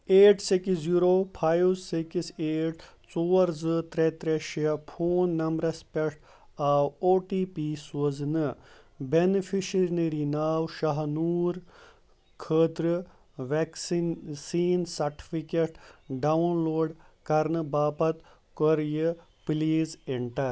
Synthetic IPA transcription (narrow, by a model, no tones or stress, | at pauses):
eːʈʰsekiziɾoːpʰaːjzsekiseːʈʰ | t͡soːɐɾzɨt̪ɾet̪ɾeʃjɐpʰoːnːɐmbɾɐspeʈ | aːwoːʈiːpiːsoznɨ | benifʰiʃɾineɾinaːwʃɐɦnuːɾ | kʰəːt̪ɾɨ | ʋeksinsiːnsɐɾʈi̥fʰikeʈɖɐwnloːɖkɐɾnɨbaːpɐt̪ | kɔɾjə | pliːzeɳʈɐɾ